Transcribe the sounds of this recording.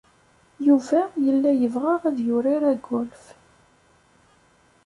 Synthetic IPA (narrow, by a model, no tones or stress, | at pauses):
juvæjəlːæjəvʁəʁæðjʊɾaɾæɡːʊlf